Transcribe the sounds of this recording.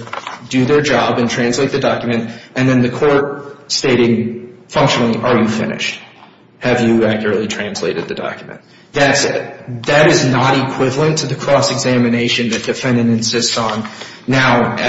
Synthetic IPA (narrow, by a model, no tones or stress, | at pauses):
dɨðə˞d͡ʒɑbɨ̃ntʰɹ̥æ̃nsleɪt̪̚ðɨdɑkjmɨ̃ntʔɨ̃nðɨ̃nðɨkʰɔɹt̚steɪɾɪ̃ŋfʌ̃ŋkʃɨnl̩ˠiʔə˞jɨfɪ̰̃nɨ̰ʃt̚ | hɨvjɨækjə˞ɨtˡlitʰɹ̥æ̃nsleɪɾɨd̪̚ðɨdɑ̰kjmɨ̰̃n | ðɨtðɨɾɨznəɾikʰw̥ɪvl̩ˠə̃ntʰɨðɨkʰɹ̥ɔsɨɡzæmɨneɪʃɨ̃nðɨt̚d̥ɨfɛ̃ndɨ̃nɨ̃nsɪstsn̩ː | aʊ